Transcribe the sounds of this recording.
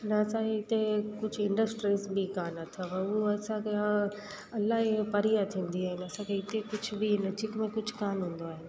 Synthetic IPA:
nɐɐsãeɪt̪ekʊd͡ʑʱɪ̃ɳɖəsʈɾizbikaːnɐt̪ʰaʋɐ̃uɐsãkʰea | ɐlːaɦipɐɾijat̪ʰĩːn̆d̪iaːɦɪnɐsãkʰeɪt̪ekʊd͡ʑʱʰʊbinɐd͡ʑikmẽkʊd͡ʑʱkaːnɦũːn̆d̪oaːɦɪnɪ̆

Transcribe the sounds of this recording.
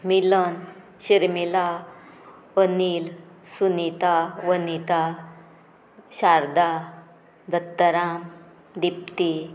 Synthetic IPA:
milən | ɕiɾmila | ʋənilsunit̪aʋənit̪a | ɕaɾd̪a | d̪ət̪ːəɾam | d̪ip̚t̪i

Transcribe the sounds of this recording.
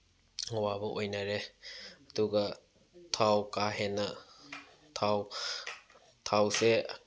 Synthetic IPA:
ŋwabɔʔojnaɾeaduɡa | tʰawkaɦena | t̪ʰaw | t̪ʰawse

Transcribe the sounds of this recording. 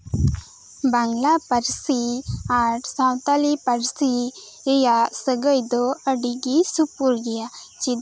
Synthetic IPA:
baŋlapəɾsiaɾsawt̪alipəɾsi | ɛjaʔsəɡəjd̪ɔəɖiɡisupuɾɡɛjat͡ʃid̪

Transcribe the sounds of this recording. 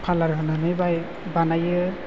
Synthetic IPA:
pʰalaɹɦɯnɯnɯjbaj | banajɯ

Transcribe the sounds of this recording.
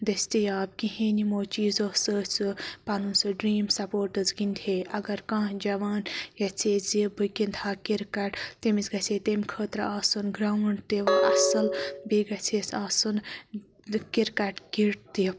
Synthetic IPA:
d̪ɐsʲt̪ijaːb̚kiɦẽːnimoːt͡ʃiːzosət͡sɨpɐnunsɨɖɾiːmsɐpoːɾʈɨzɡint̪ʲʰeːʔɐɡɐɾkãːd͡ʒɐʋaːnjɐt͡sʰeːzibɨkint̪ʰaːkiɾkɐʈt̪emizɡɐsʰet̪emʲkʰəːt̪ɾɐaːsɨnɡɾaːwɳɖt̪eʋɐʔɐsɐlbiːɡɐt͡sʰesaːsɨn | kiɾkɐʈɡiʈt̪i

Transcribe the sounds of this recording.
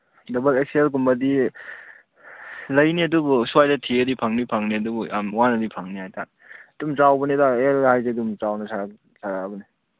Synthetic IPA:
dɐbɐlek̚selk̬umbadi | lɐjniɐdubuswajdatʰiɐdipʰaŋnipʰaŋniɐdubuamwanɐdipʰaŋnihajta | dumt͡ʃawbɐnidaelɡhajzedumt͡ʃawnɐsʰaa | sʰaɾaːbɐni

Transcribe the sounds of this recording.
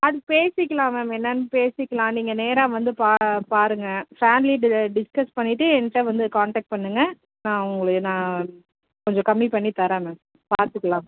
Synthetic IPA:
ɐðɯpeːsɪkːɐlãːmeːmɛnːɐnːɯpeːsɪkːɐlãːniːŋɡɐneːɾaːʋɐnd̪ɯpaːpaːɾɯŋɡɐfaːnliɖɪskɐspɐɳːɪʈːɯɛnːʈːɐʋɐnd̪ɯkaːɳʈɐːk̚ʈ̚pɐɳːɯŋɡɐ | nãːʊŋɡɐɭɯnãː | kɔɲd͡ʒɔ̃kɐmːipɐɳːit̪ɐɾamãːm | paːɾt̪ɯkːɐɭãːm

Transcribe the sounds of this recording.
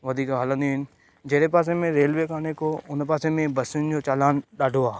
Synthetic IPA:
ʋɐd̪ʱiːkɦələ̃nd̪iõɦɪnɪ̆ | d͡ʑɐɦɽepaːs̬emẽɾeːlʋeːkaːnekʰoʊnpaːsemẽbɐsɪnd͡ʑoːt͡ɕaːlaːnɗaːɖʱoaː

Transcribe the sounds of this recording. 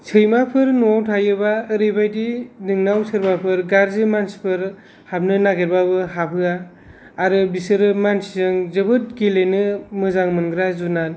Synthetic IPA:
sʰɯjmapʰɯɾnuawtʰajɯbaɯɾɯjbajdinɯŋnawsʰɯɾbapʰɯɾɡaɾzɯmansi̥pʰɯɾ | hap̚nɯnaɡeɾbabɯɦapʰɯaː | ɾɯbisɯɾɯmansizɯŋzɯbɯt̚ɡilenɯmɯzaŋmɯnɡɾazunal

